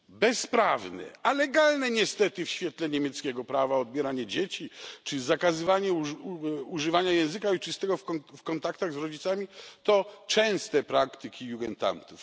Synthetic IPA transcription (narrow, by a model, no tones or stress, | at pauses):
bɛspɾavnɛ̰alɛɡalnɛɲɛst̪ɛt̪ɘfɕfʲjɛt̪lɛɲemʲjɛt̪skʲɛɡɔpɾavaɔd̪̚bʲjɛɾaɲɛd͡ʑet͡ɕit͡ʂɘzakazɘvaɲɛuuʐɨvaɲajɛ̃w̃zɘkait͡ʂɨst̪ɛɡɔfkɔnt̪akt̪aɣzɾɔd͡ʑit̪samʲit̪ɔt͡ʂɛ̃w̃st̪ɛpɾakt̪ɘkʲijuɡɛnt̪a̰nt̪uf